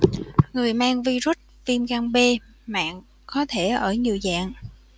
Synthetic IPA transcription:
ŋɨ˨˩əjmaː˧ŋvi˧zu˦˥t̚vi˧mɣaː˧nɓe˧ | ma̰ː˧˨ŋ | kɔ˨˦t̪ʰe˧˩ʔəː˧˩ɲi˨˩əwza̰ː˧˨ŋ

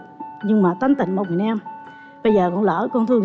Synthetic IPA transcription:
ɲɨ˧ŋmaː˨˩t̪a˨˦jŋ̟t̪ï˧˨ŋ̟mə˨˩w̚ŋ͡m̚i˨˩nʔɛ˧m | ɓə˧jzəː˨˩kɔ̰˧˥ŋləː˧˩kɔ˧nt̪ʰɨ˧əŋ

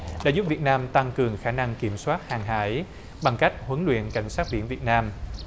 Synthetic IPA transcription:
ɗa̰ː˧˥˦zu˦˥p̚vi˨˩ət̚naː˧mt̪a˧ŋkɨ˨˩əŋxaː˧na˧ŋki˧˩əmswaː˦˥t̚haː˨˩ŋɦa̰ː˧˦j | ɓa˨˩ŋka˦˥jk̚hwə˨˦nlwḭ˧˨ənka˧˩jŋ̟saː˦˥t̚ɓḭ˧˩ənvi˨˩ət̚naː˧m

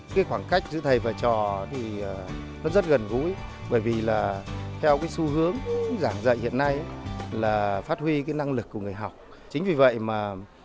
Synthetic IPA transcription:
kaː˨˦xwaː˧˩ŋka˦˥jk̟̚zɨ̰˧˥t̪ʰə˨˩jvaː˨˩t͡ɕɔ˨˩t̪ʰiː˨˩˨ | nɔ˨˦zə˦˥t̚ɣə˨˩nɣṵ˧˥j | ɓəː˧˩jvi˨˩laː˨˩t̪ʰɛ˧wkaː˨˦jsu˧hɨ˨˦əŋzaː˧˩ŋzə̰˧˨hḭ˧˨ənːa˧jlaː˨˩faː˦˥t̚hwi˧kaː˨˦jna˧ŋlɨ˨˩kːu˧˩ŋ˨˩əjɦa˨˩wk͡p̚ | t͡ɕï̟˨˦vi˨˩və̰˧˨jmaː˨˩

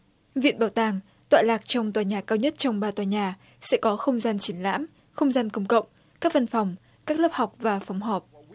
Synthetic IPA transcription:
vḭ˧˨ənɓaː˨˩wt̪aː˨˩ŋ | t̪wa̰ː˧˨laː˨˩k̚t͡ɕɔ˧wŋ͡mt̪waː˨˩ɲaː˨˩kaː˧wɲə˦˥t̚t͡ɕɔ˧wŋ͡mɓaː˧t̪waː˨˩ɲaː˨˩ | sɛ̰˧˥kɔ˨˦xə˧wŋ͡mzaː˧nt͡ɕi˨˦ənla̰ː˧˥m | xə˧wŋ͡mzaː˧nkə˧ŋ͡mkə̰˧˨wŋ͡m | kaː˦˥k̚və˧nfɔ˨˩wŋ͡m | kaː˦˥k̚ləː˦˥p̚ha˨˩wk͡p̚vaː˨˩fɔ˨˦wŋ͡mɦɔː˨˩p̚

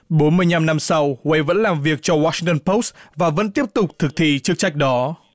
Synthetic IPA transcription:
ɓo˨˦nmɨ˧əjɲa˧mna˧msa˧wwe˨˧jvə̰˧˥nlaː˨˩mvi˨˩ək̚t͡ɕɔ˧waː˧si˧ŋt̪ə˧npo˦˥svaː˨˩və̰˧˥nt̪i˦˥əp̚t̪ʊ˨˩k͡p̚t̪ʰɨ˨˩k̚t̪ʰḭ˧˨t͡ɕɨ˦˥ək̚t͡ɕa˦˥jk̟̚ɗɔ˨˦

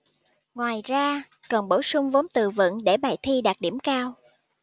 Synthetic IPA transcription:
ŋwaː˨˩jzaː˧ | kə˨˩nɓo˧˩wsʊ˧ŋ͡mvo˨˦nt̪ɨ˨˩və̰˧˨nɗe˧˩ɓaː˨˩jt̪ʰi˧ɗaː˨˩t̚ɗi˧˩əmkaː˧w

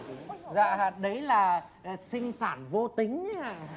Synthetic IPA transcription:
za̰ː˧˨aː˧˩ɗə˨˦jlaː˨˩˨ | sï˧ŋ̟saː˧˩nvo˧t̪ï˨˦ŋ̟ɲa˧˦a̰ː˧˨

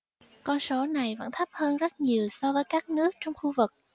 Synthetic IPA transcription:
kɔ˧nso˨˦na˨˩jvə̰˧˥nt̪ʰə˦˥p̚həː˧nzə˦˥t̚ɲi˨˩əwsɔ˧vəː˨˦jkaː˦˥k̚nɨ˦˥ək̚t͡ɕɔ˧wŋ͡mxu˧vɨ˨˩k̚

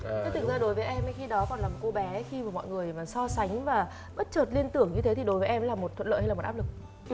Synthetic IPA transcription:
t͡ɕe˨˦t̪ʰɨ˨˩k̚zaː˧ɗo˨˦jvəː˨˦jʔɛ˧mʔə˨˦jxi˧ɗɔ˨˦kɔ˨˩nlaː˨˩mo˨˩ko˧ɓɛ˨˦˨xi˧vaː˨˩mɔ̰˧˨jŋɨ˨˩əjmaː˨˩sɔ˧sa˨˦jŋ̟vaː˨˩ | ɓə˦˥t̚t͡ɕəː˨˩t̚li˧ənt̪ɨ˧˩əŋɲɨ˧t̪ʰe˨˦t̪ʰi˨˩ɗo˨˦jvəː˨˦ʔɛ˧mlaː˨˩mo˨˩t̚t̪ʰwə˧˨nlə̰ː˧˨hjaː˨˩ʔaː˦˥lɨ˨˩k̚

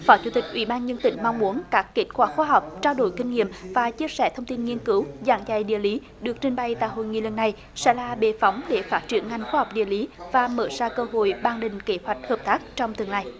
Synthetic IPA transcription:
fɔ˨˦t͡ɕu˧˦t̪ï˨˩k̟̚ʔwḭ˧˨˦ɓaː˧nɲə˧nt̪ï˧˩˦ŋ̟ma˧wŋ͡mmu˨˦ənkaː˦˥kke˦˥t̚kwaː˧˩xwaː˧ɦa˨˩wk͡p̚t͡ɕaː˧wɗo̰˧˩jkï˧ŋ̟ŋḭ˧˨əmvaː˨˩t͡ɕi˧əsɛ̰˧˩t̪ʰə˧wŋ͡mt̪i˧nŋi˧ənkɨ˨˦wza̰ː˧˥ŋza˧˩jɗḭ˧˨əli˨˦ | ɗɨ˨˩ək̚t͡ɕï˧ŋ̟ɓa˧˩jt̪a̰ː˧˨jɦo̰˧˨jŋḭ˧˨lə˨˩nːa˨˩j | sɛ̰˧˥laː˨˩ɓe˨˩fɔ˨˦wŋ͡mɗe˧˩faː˦˥t̚t͡ɕi˧˩ənŋa˨˩ŋ̟xwaː˧hɔ˨˩wk͡p̚ɗḭ˧˨əli˨˦vaː˨˩məː˧˩saː˧kəː˧ɦo̰˧˨jɓaː˧ŋɗï˨˩ŋ̟ke˨˦hwa˨˩jk̟̚həː˨˩p̚t̪aː˦˥k̚t͡ɕɔ˧wŋ͡mt̪ɨ˨˩əŋlaː˧˩j

